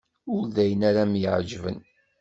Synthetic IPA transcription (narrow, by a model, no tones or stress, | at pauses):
ʊɾðæjənæɾæmjəʕd͡ʒvə̰n